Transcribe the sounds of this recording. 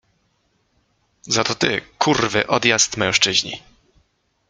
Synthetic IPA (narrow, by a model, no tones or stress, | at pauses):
zat̪ɔt̪ɪ̰kʰurvɘ̰ʔɔd̪jast̪mɛ̃w̃ʂt͡ʂɘʑɲḭ